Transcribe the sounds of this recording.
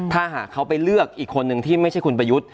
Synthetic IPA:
t̪ʰaː˥˩ɦa̰ː˨˩kʰːa˦˥wpa˧jlɯ˥˩ək̚ʔiː˨˩kʰːo˧nːɯ˧ŋt̪ʰiː˥˩ma˥˩t͡ɕʰa˥˩jkʰu˧np̬ɾa˧ju˦˥t̪̚

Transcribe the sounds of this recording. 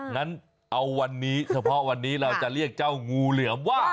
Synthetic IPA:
ŋa˦˥n | ʔa˧wːa˧nːiː˦˥sa˧pʰɔ˦˥wa˧nːiː˦˥ɾa˧wt͡ɕa˨˩ʔɾi˥˩ək̚t͡ɕa˥˩wŋuː˧lɯ˨˩˦əmwaː˥˩

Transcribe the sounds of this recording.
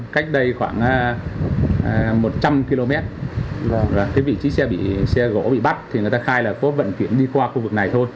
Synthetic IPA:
ka˦˥jk̟̚ɗə˧jxwaː˧˩ŋː˨˦˨ | mo˨˩t̚t͡ɕa˧mki˧lo˧mɛ˦˥t̚ | ɔ˨˩kaː˨˦jvḭ˧˨t͡ɕi˨˦sɛ̰˧ɓḭ˧˨sɛ˧ɣo̰˧˥ɓḭ˧˨ɓa˦˥t̚t̪ʰi˨˩ɨ˨˩t̪aː˧xaː˧jlaː˨˩kɔ˨˦və̰˧˨nki˧˩ənɗi˧kwaː˧xu˧vɨ˨˩k̚na˨˩jt̪ʰo˧j

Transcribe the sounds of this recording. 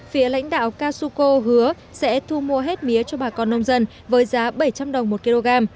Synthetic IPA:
fi˨˦əla̰˧˥jŋ̟ɗa̰ː˧˨wkaː˧su˧ko˧ɦɨ˨˦ə | sɛ̰˧˥t̪ʰu˧mu˧əɦe˦˥t̚mi˨˦ət͡ɕɔ˧ɓaː˨˩kɔ˧˩nːə˧wŋ͡mzə˧n | vəː˨˦jzaː˨˦ɓə˧˩jt͡ɕa˧mɗə˨˩wŋ͡mmo˨˩t̚ki˧lo˧ɣaː˧m

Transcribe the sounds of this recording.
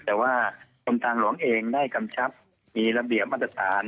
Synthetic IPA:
t̪ɛː˨˩waː˥˩k̪ʰo˧nt̪aː˧ŋlu˩˦əŋʔeː˧ŋdaː˥˩jka˧mt͡ɕʰa˦˥p̚ | miː˧ɾa˧bi˨˩əp̚ʔa˦˥t̪ɾa˧˩t̪ʰaː˩˦n

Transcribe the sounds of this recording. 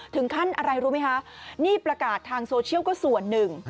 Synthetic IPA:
t̪ʰɯ˩˦ŋkʰa˥˩nʔa˧ɾa˧jɾuː˦˥ma˦˥jkʰa˦˥ʔniː˥˩pɾa˧kaː˨˩t̪ʰːaː˧ŋsoː˧t͡ɕʰi˥˩əwkɔː˥˩su˨˩˦ənːɯ˨˩ŋ

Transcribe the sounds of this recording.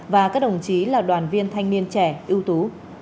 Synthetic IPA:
vaː˨˩kaː˦˥k̚ɗə˨˩wŋ͡mt͡ɕi˨˦laː˨˩ɗwaː˨˩nvi˧ənt̪ʰa˧jŋni˧ənt͡ɕɛ˧˩ʔi˧əwt̪u˨˦

